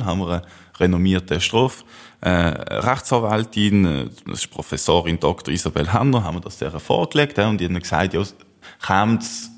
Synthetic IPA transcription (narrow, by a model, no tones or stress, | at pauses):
ɦanməʁə | ʁɛnɔmiːɐtəʃtʁoːfʔɛ̰ʁaχtsɑːvaltinɛ̰ɪʃpʁofɛsoːʁind̥ɔktəʁisɑbɛlɦanəɦanməɐd̥ɑsd̥ɛ̰ːʁəfɔ̰ːʁklɛktɛʊnd̥inməksaɪtjoː | χaːms